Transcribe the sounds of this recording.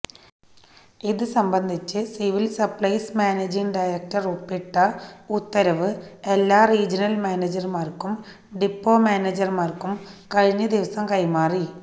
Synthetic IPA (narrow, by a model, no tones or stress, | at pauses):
iðɨsɐmbɐnd̪ʱit͡ɕːɨsiʋilsɐpɭɐjsmaːneːd͡ʑiŋɖɐjɾek̚tɐrupːiʈːɐut̪ːɐɾɐʋɨelːaːriːd͡ʑɐnɐlmaːned͡ʑɐrmaːrkum | ɖipːo̞ːmaːneːd͡ʑɐrmaːrkumkɐɻiɲːɐd̪iʋɐsɐmkɐjmaːri